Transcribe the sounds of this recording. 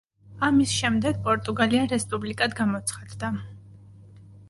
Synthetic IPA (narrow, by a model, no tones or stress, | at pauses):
amisʃɛmd̪ɛɡ̚pʼɔɾt̪ʼuɡaliaɾɛspʼublikʼad̪ɡamɔt̪sʰχad̪d̪a